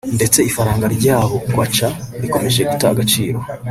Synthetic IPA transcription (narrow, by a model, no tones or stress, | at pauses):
nde̞t͡se̞ifaɾaːŋɡaɾɟaːβo̞ɡwat͡ʃaɾiko̞me̞ʒe̞ɡutaa̰ɡat͡ʃiːɾo